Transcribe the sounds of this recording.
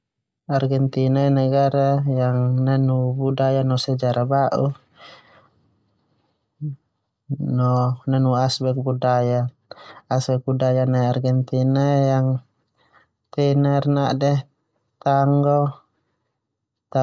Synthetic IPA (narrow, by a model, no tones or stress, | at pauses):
arɡɛnt̪inaɛnaɡaɾajaŋnanubudajanɔsɛd͡ʒaɾabaʔu | nɔnanuasbɛk̚budajaː | sbɛk̚budajanaarɡɛnt̪inajaŋ | t̪ɛnarnaʔdɛ | t̪aŋɡɔ | t̪a